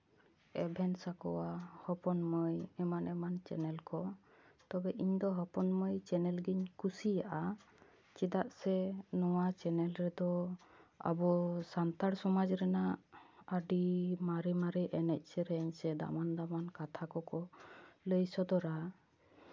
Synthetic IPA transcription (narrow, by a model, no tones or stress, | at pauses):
ɛbʱɛnsakɔ̰wahɔpɔnməjɛmanʔɛmant͡ʃɛ̰nɛlkɔ | t̪ɔbɛʔiɲd̪ɔɦɔpɔnməjt͡ʃɛnɛlɡiɲkusijaʔa | t͡ʃid̪aʔsɛnɔwat͡ʃɛnɛlɾɛd̪ɔ | a̰bɔsant̪aɽsɔmad͡ʒɾɛnaʔəɖimaɾimaɾɛʔɛnɛc̚ˀsɛɾɛɲsɛd̪a̰mand̪amankat̪ʰakɔkɔləjsɔd̪ɔɾa